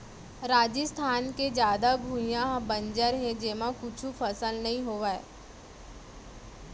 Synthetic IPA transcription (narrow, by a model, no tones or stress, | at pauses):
ɾaːd͡ʒəst̪ʰaːnked͡ʒjaːd̪abʱũjãɦbɐ̃nd͡ʒəɾɦɛ̃d͡ʒeːmãkʊt͡ʃʰufʰəsəlnɐɦĩɦoːʋaɛ̰ː